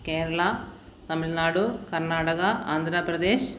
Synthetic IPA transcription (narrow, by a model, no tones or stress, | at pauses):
keːɾɐɭa | t̪ɐmilnaːɽukɐɾnaːʈɐkɐaːnd̪ʱɾɐpɾɐd̪eːʃ